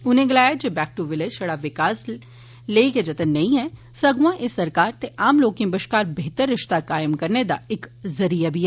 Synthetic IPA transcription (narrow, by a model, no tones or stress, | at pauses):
ʊn̤ẽɡɪlaːjad͡ʒoːbɛːk̚ʈuʋɪlɪd͡ʒʃɐɽaʋɪkaːs | leːiked͡ʒɐt̪ənːɐɦĩɦɛ | sɐɡʋãʔesɐɾkaːɾt̪eʔaːmloːkɪ̃mbəʃkaːɾbeɦt̪əɾːɪʃt̪akaːjəmkɐɾned̪aɪkzɐɾijabʱiɦɛː